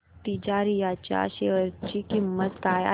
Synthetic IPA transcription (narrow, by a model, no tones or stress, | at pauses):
t̪id͡ʑaɾijat͡ɕja̰ɕeəɾt͡ɕikimːət̪kaja̰